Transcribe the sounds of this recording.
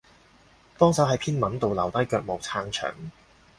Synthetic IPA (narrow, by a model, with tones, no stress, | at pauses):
pɔː˥ŋsɐ˨˥wɦɐ˨jpʰiː˥nmɐ˨˥nt̪o˨wlɐ̰˨˩wt̪ɐ˥jkœː˧k̚mo˨wt͡sʰaː˧ŋt͡ʃʰœ̰ː˨˩ŋ